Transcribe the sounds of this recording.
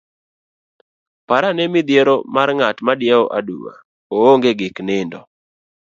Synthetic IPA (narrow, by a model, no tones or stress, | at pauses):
paɾanɛmɪd̪jeɾomarŋatmadɪaɔʔadṵwa̰ | ooŋɡeɡɪknɪndɔ